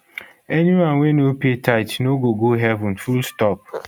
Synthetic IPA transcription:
ɛniwãnwenopetʰaɪtnoɡoɡoɦɛvũnfulstɔp̚

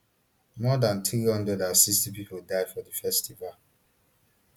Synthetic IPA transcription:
mɔdãntɹiɔ̃ndɔdasikstipipoldaɪfɔdəfɛstival

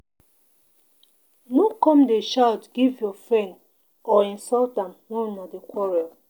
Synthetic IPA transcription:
nokɔ̃mdeʃaʊtɡivjɔfɹɛ̃nd | ɔĩnsɔltãmnõnadekwɔɹɛl

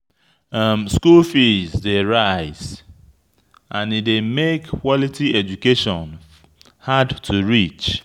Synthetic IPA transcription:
ʌmskulfizdeɹaɪz | ʔãnidemekːwɔlitʰiɛd͡ʒukeʃɔ̃n | hadtʰuɹit͡ʃ

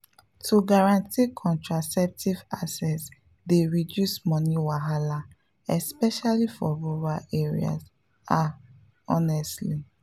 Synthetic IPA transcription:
tuɡaɹãntikʰɔ̃ntɹasɛp̚tivasɛts | deɹidjusmɔ̃niwaɦala | ɛspɛʃalifɔɹuɹaʔɛɹḭa̰s | a | ɔnɛstli

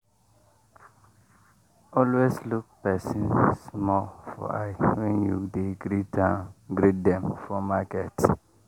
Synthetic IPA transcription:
ɔlwesluk̚pɛsĩnsmɔlfɔ̰a̰ɪwɛ̃njudeɡɾitãɡɾidɛ̃mfɔmakɛt

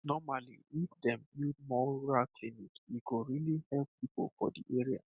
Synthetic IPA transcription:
nɔmalḭifdɛ̃mud̚mɔɹalkʰlinikiɡoɹilihɛlppːipo̰lfɔ̰diʔeɹia̰

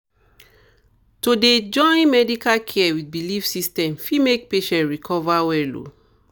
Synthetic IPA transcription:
toded͡ʒɔ̃ɪ̃nmɛdikalkʰɛɛwit̚bilifsistɛ̃mfimek̚peʃɛ̃ntɹikʰɔvawɛlo̰

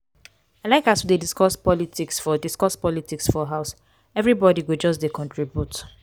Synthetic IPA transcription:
aɪlaɪkasudediskɔspɔlitʰiksfɔdiskɔspɔlitiksfɔɦaʊs | ɛvɹibɔdiwid͡ʒɔs̬dekʰɔ̃ntʰɹibjut

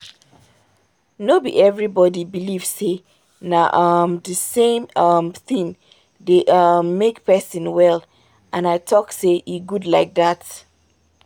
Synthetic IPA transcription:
nobiɛvɹibɔdibiliv̥se | naʔʌmðəsẽmʌmθĩŋ | ðeʔʌmːekpʰɛsɨ̃nwɛl | ʔãnaɪtʰɔkseʔiɡudlaɪk̚ðat

